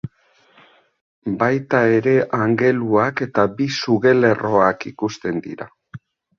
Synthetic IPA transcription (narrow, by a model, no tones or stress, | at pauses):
bajt̪ae̞ɾe̞ʔaŋɡe̞luake̞t̪abisuɣe̞le̞ro̞akikust̪e̞nd̪ḭɾa̰